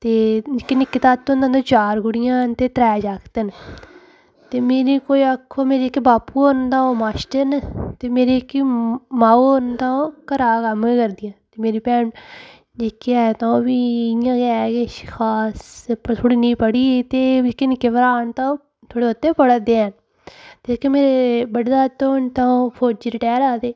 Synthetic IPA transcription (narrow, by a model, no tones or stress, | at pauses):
t̪eːd͡ʒɪkːenɪkːɪt̪aːt̪ːõːnd̪ãːd̪õːt͡ʃaːɾɡʊɽɪjãːt̪eːt̪ɾɛːd͡ʒaːkt̪ən | t̪eːmeːɾiːkoːiːəkʰːoːmeːɾekːibaːpuːoːnd̪aːoːmaːʃʈənt̪eːmeːɾeːkːimaːooːnd̪ãːõːkəɾaːkəmekəɾd̪ɪjãːt̪eːmeːɾiːpɛːɳ | d͡ʒɪkːeɛːt̪ãbiːɪjãːkɛːkekʰaːspt̪ʰoɽiːnĩːpəɽiːt̪eːkːenɪkːeʋəɾaːɳt̪ãː | t̪ʰoːɽeːət̪ːẽːpəɽəd̪eːən | t̪eːd͡ʒɪkemeːɾebəɽd̪aːt̪oːɳt̪ãõpʰoːd͡ʒɾɪʈɛːɾaːd̪eː